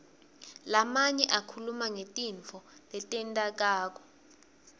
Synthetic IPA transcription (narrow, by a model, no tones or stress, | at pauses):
lamaɲɛʔakʰulumaŋetʼiɱt͡fɔlɛtʼɛntʼak̬aːk̬ɔ̥